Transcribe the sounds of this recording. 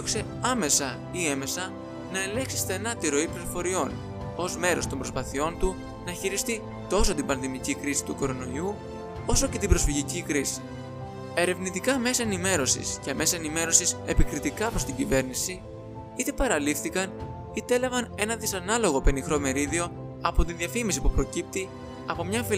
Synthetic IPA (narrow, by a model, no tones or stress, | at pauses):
oku̥se̞ | ɐme̞sɐ | ie̞me̞sɐ | nɐe̞le̞ŋksi̥st̪e̞nɐt̪iɾo̞ipliɾofo̞ɾio̞n | o̞zme̞ɾo̞st̪o̞mbɾo̞spɐθio̞nt̪u | nɐçiɾist̪i | t̪o̞so̞t̪ibɐnðimicikɾisi̥t̪uko̞ɾo̞no̞iu | o̞so̞ce̞t̪ibɾo̞sfiʝicikɾisi̥ | e̞ɾe̞vnit̪ikɐme̞sɐe̞nime̞ɾo̞sḭsceme̞sɐenime̞ɾo̞sise̞pikɾit̪ikɐpɾo̞st̪iɲɟive̞ɾnisi | it̪e̞pɐɾɐlifθikɐn | it̪e̞lɐvɐne̞nɐðisɐnɐlo̞ɣo̞pe̞nixɾo̞me̞ɾiðio̞ | ɐpo̞t̪iðiɐfimis̬ipupɾo̞cip̚t̪i | ɐpo̞mɲɐfi